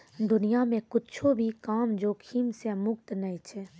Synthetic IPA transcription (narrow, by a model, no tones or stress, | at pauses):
d̪ʊnijamẽkʊtːt͡ʃʰobʱikaːmd͡ʒoːkʰiːmsemʊkt̪nəɦit͡ʃʰɛ